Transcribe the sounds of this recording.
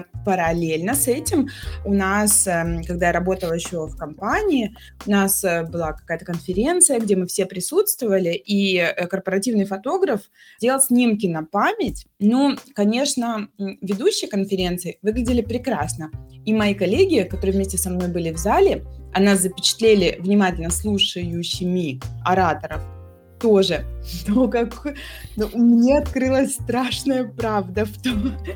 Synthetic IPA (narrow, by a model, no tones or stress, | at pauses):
pəɾɐlʲelʲnəsɛtʲɪmʊnaskɐɡ̚d̪ajaɾɐbo̞t̪əlˠjɪɕːo̞fkɐmpanʲɪː | ʊnasbɨlˠakɐ̥kajət̪əkənfʲɪɾʲe̞nt̪sɨjəɡdʲemɨfsʲe̞pɾʲɪsut̪st̪vəvəlʲɪʔikərpəɾɐtʲivnɨjfɐt̪o̞ɡɾəf | dʲe̞lˠsʲnʲimkʲɪnɐpamʲɪtʲnukɐnʲe̞ʂnəvʲɪd̪uɕːɪjəkənfʲɪɾʲe̞nt̪sɨɪvɨɡlʲɪdʲɪlʲɪpɾʲɪkɾasnəimɐjikɐlʲːeɡʲɪkɐt̪oɾɨəvmʲesʲtʲɪsɐmno̞jbɨlʲɪvzalʲɪɐnazəpʲɪt͡ɕɪ̥t̪lʲelʲɪvnʲɪmatʲɪlʲnəslˠuʂəjʊsʲɪmʲiɐɾat̪əɾəf | t̪o̞ʐɨnokaknumnʲeɐt̪kɾɨlˠəsʲst̪ɾaʂnəjəpɾavd̪əft̪o